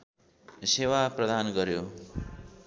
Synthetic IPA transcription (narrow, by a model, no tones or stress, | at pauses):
sewaprʌd̪ʱanɡʌɾjo